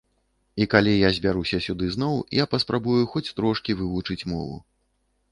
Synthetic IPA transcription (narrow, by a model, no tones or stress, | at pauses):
ikalʲijazʲbʲaɾusʲɐsʲud̪ɨznɔwjapɐspɾabujuxɔt͡sʲt̪ɾɔʂkʲivɨvut͡ʂɨt͡sʲmɔ̰vṵ